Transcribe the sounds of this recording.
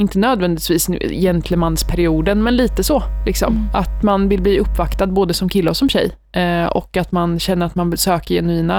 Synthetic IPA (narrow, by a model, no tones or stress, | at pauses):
ɪnt̪ənøːd̪vɛnd̪ɪt̪viːsn̰jɛnt̪ʰləmanspʰɛɾɪuːd̪ənmɛnliːt̪əsɔlʔɪksɔ̰mat̪manvɪlbliːɵpːvakt̪ad̪̚boːd̪əsɔmkʰɪlːəɔsɔmɕɛjː | ɔ̰kat̪manɕɛnːəɾat̪mansøːkəɾjɛnʉiːna